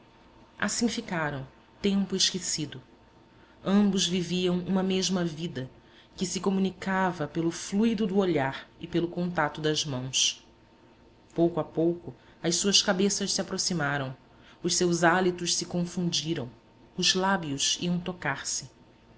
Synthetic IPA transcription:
a̰sĩfikaɾɐ̃w̃ | t̪ẽmpʊɪʃkesid̪ʊ | ɐ̃mbʊzviviɐ̃w̃ũmɐmeʒmɐvid̪ɐ | kɪsɪkomunikavɐpelʊflujd̪ʊd̪ʊoʎaɾɪpelʊkõnt̪at̪ʊd̪ɐzmɐ̃w̃s | powkʊapowkʊ | ɐʃsuɐskabesɐʃsiapɾosimaɾɐ̃w̃ | ʊʃsewzalit̪ʊʃsɪkõfũd͡ʒiɾɐ̃w̃ | ʊzlabiʊsḭɐ̃w̃t̪okaɾsɪ

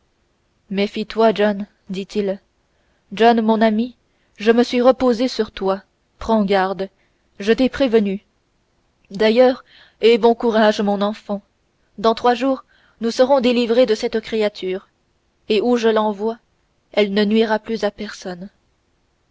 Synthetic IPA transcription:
mɛfit̪waʒɔn | d̪it̪il | ʒɔnmɔ̃nami | ʒəməsɥiʁəpozesyʁt̪wa | pχɑ̃ɡaʁd̪ | ʒət̪ɛpχevəny | d̪ajœːʁ | ɛbɔ̃kuʁaʒmɔ̃nɑ̃fɑ̃ | d̪ɑ̃t̪χwaʒuːʁ | nusəʁɔ̃d̪elivʁed̪əsɛt̪kχeat̪ʰyːʁ | euʒəlɑ̃vwa | ɛlnənɥiʁaplyzapɛʁsɔn

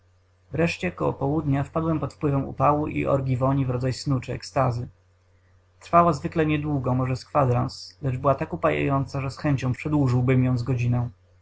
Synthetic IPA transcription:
vɾɛʂt͡ɕɛɔkɔwɔ̰pɔwud̪ɲafpad̪wɛmpɔt̪fpwɘvɛmṵpawuʔḭʔɔ̰ɾɡʲivɔɲivɾɔd̪zajsnut͡ʂɘɛ̰kst̪azɘ | t̪ɾfawazvɘklɛɲɛd̪wuɡɔmɔʐɛskfad̪ɾanslɛʐbɘwat̪akupajḛjɔnt̪saʐɛsxɛɲt͡ɕɔ̃w̃pʂɛd̪wuʐɘwbɘmjɔ̃w̃zɡɔd͡ʑinɛ̃w̃

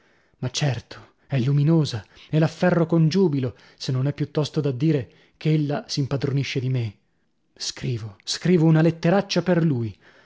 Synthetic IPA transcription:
mat͡ʃːɛrt̪ʰo̥ | ɛlːuminoːzaelafːɛrːokond͡ʒuːbilo | senːonɛpːjut̪ːɔst̪od̪ad̪ːiːɾe | keelːasiːmpad̪ɾoniʃːed̪ime | skɾiːvoskɾiːvounalet̪ːeɾat͡ʃːaperluːj

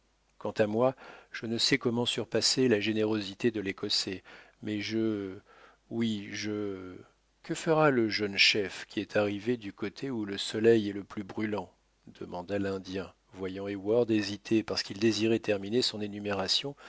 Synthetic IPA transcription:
kɑ̃t̪amwaʒ̥ənəsɛkɔmɑ̃syʁpaselaʒeneʁozit̪ed̪əlekɔse | mɛʒə | wiʒə | kəfəʁaləʒənʃɛfkʲiɛt̪ʰaʁived̪ykot̪ʰeuləsɔlɛjɛləplybʁylɑ̃ | d̪̥əmɑ̃d̪alɛ̃d̪jɛ̃ | vwajɑ̃ewaʁd̪ezit̪ʰepaʁsə̥kild̪eziʁɛt̪ɛʁminesɔ̃nenymeʁasjɔ̃

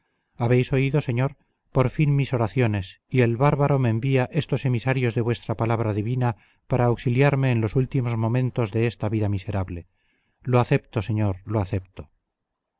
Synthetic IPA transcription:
aβe̞jso̞iðo̞se̞ɲo̞ɾ | po̞ɾfinmiso̞ɾaθjo̞ne̞s | ie̞lβaɾβaɾo̞meːmbiaʔe̞st̪o̞se̞misaɾjo̞zðe̞βwest̪ɾapalaβ̞ɾaðiβina | paɾaːwksiljaɾme̞ːnlo̞sult̪imo̞zmõ̞mẽ̞nt̪o̞zðe̞est̪aβiðamise̞ɾaβle̞ | loaθe̞pt̪o̞se̞ɲoɾloaθe̞p̚t̪o

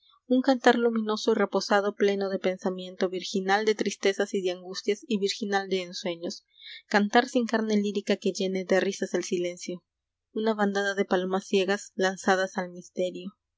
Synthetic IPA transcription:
uŋkant̪aɾlumĩno̞so̞ire̞po̞saðo̞ple̞no̞ðe̞pe̞nsamje̞nt̪o̞βiɾxinald̪e̞t̪ɾist̪e̞sasiðeaŋɡust̪jasiβiɾxinald̪e̞ːnswe̞ɲo̞s | kant̪aɾsiŋkaɾne̞liɾikake̞ʝe̞ne̞ðerisazelsile̞nsjo̞ | unaβand̪aðaðe̞palo̞masːje̞ɣaslansað̞asalmist̪e̞ɾjo̞

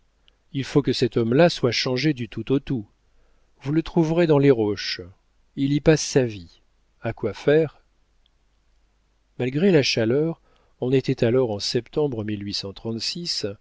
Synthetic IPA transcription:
ilfokəsɛt̪ɔmlaswaʃɑ̃ʒed̪yt̪ut̪ot̪u | vulət̪χuvʁed̪ɑ̃leʁɔʃ | ilipasːavi | akwafɛʁ | malɡʁelaʃalœʁ | ɔ̃net̪ɛt̪alɔʁɑ̃sɛpt̪ɑ̃bʁəmilɥisɑ̃t̪χɑ̃t̪sis

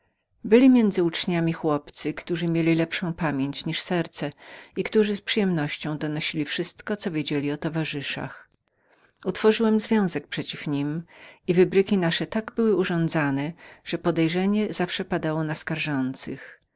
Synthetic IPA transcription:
bɘlʲimʲjɛnd̪zɘut͡ʂɲamʲixwɔpt̪sɘkt̪uʐɘmʲjelʲilɛpʂɔ̃w̃pamʲjeɲt͡ɕɲiʂsɛɾt̪sɛikt̪uʐɘspʂɨjɛmnɔɕt͡ɕɔ̃w̃d̪ɔnɔɕilʲifʂɘst̪kɔt̪sɔvʲjed͡ʑelʲiɔt̪ɔvaʐɘʂa̰x | ut̪fɔʐɘwɛmzvʲjɔ̃w̃zɛk̚pʂɛt͡ɕifɲimivɘbɾɘkʲinaʂɛt̪aɡbɘwɘuʐɔ̃nd̪zanɛʐ̥ɛpɔd̪ɛjʐɛɲɛzafʂɛpad̪awɔnaskaɾʐɔnt̪sɘ̰x

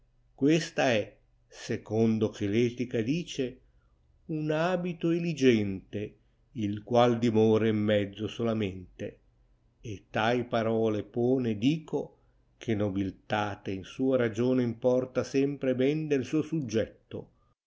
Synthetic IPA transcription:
kwest̪aɛ | sekond̪ok̟elɛːt̪ikad̪iːt͡ʃe | unaːbit̪oelid͡ʒɛnt̪e | ilkwald̪imɔːɾeimːɛd̪zːosolament̪eː | t̪ːajpaɾɔːlepɔːned̪iːko | kʰenobilt̪aːt̪einsuːaɾad͡ʒoːneimpɔrt̪asɛmpɾebɛnd̪elsuːosud͡ʒːɛt̪ːo̰

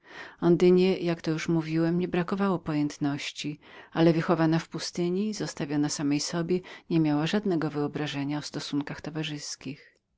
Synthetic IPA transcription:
ɔnd̪ɘɲɛjakt̪ɔjuʂmuvʲiwɛmɲɛbɾakɔvawɔpɔjɛnt̪nɔɕt͡ɕialɛvɘxɔvanafpust̪ɘɲizɔst̪avʲjɔnasamɛjsɔbʲjɛɲɛmʲjawaʐad̪nɛɡɔvɘɔbɾaʐɛɲaɔst̪ɔsuŋkaxt̪ɔvaʐɘskʲix

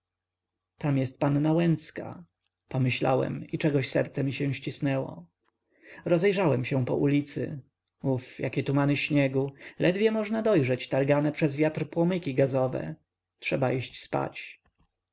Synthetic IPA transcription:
t̪amjɛst̪̚panːawɛnt̪ska̰ | pɔmɘɕla̰wɛ̰mit͡ʂɛɡɔɕsɛ̰ɾt̪sɛmʲiɕɛ̃w̃ɕt͡ɕisnɛwɔ̰ | ɾɔzɛjʐawɛmɕɛ̃pɔ̰ʔulʲit̪sɘ̰ | ufjakʲɛt̪umanɘɕɲɛɡulʔɛd̪vʲjɛmɔʐnad̪ɔjʐɛt͡ɕt̪aɾɡanɛpʂɛzvʲjat̪rpwɔmɘkʲiɡazɔvɛ̰ | tʂɛbaʔiɕt͡ɕspa̰t͡ɕ

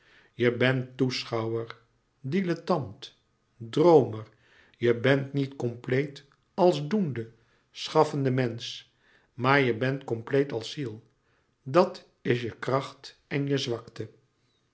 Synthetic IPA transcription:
jəbɛntːusχɑwəɹ | dilətɑnt | drowməɹ | jəbɛntnitkɔmplejt | ɑlˠzdundə | sχɑfəndəmɛns | maːɹjəbɛntkɔmplejtɑlˠsilˠ | dɑt | ɪs̬jəkrɑχt | ɛnjəzʋɑktə

